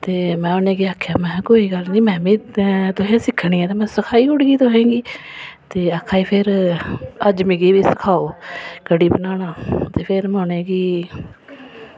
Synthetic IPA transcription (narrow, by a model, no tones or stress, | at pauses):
t̪eːmɛ̃ːʊnẽːɡiːaːkʰːjaːmɛ̃ːkoːiːɡəlniːmɛ̃ːmĩːt̪ʊɦẽːsɪkʰːɳ̃iːɛːt̪eːmɛ̃ːsəkʰaːiːʊɽɡiːt̪ʊɦɛ̃ːɡiːt̪eːakʰːaːiːpʰɪɾ | əd͡ʒmiːɡiːʋiːsə̥kʰaːoːkəɽiːbənaːnaːt̪eːpʰɪɾmɛ̃ːʊnẽːɡiː